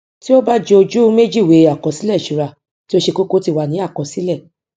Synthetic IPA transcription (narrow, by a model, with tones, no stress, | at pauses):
ti˦o˦ba˦d͡ʒe˧o˧d͡ʒu˦me˦d͡ʒi˦˨we˨˦a˦˨kɔ̃˨˦si˦lɛ˦˨ʃu˨ɾa˧˨ | ti˦o˦ʃe˧ko˦ko˦ti˦˨wa˨nĩ˨˦a˦˨kɔ̃˨si˨˦lɛ˦˨